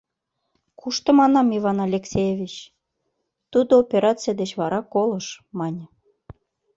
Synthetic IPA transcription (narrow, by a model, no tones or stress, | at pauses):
kʰuʃt̪ə̆mɑnɑmivɑnɑlʲeksʲejevʲit͡ɕ | t̪ud̪oopʲeɾɑt͡sɨjad̪et͡ɕβɑɾɑkolə̆ʃmɑnʲ